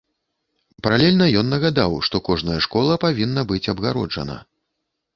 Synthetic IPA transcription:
pɐɾalʲɛlʲnɐjɔnːɐɣad̪awʂt̪ɔkɔʐnɐjɐʂkɔlˠɐpavʲinːɐbɨt͡sʲɐbɣaɾɔd͡ʐɐ̰nɐ̰

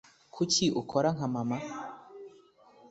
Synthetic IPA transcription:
kʰucʰiʔukʰoɾaŋɦamama

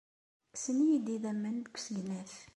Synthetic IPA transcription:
sənijid̪iðæmːənd̪kʷːsəɡnæθ

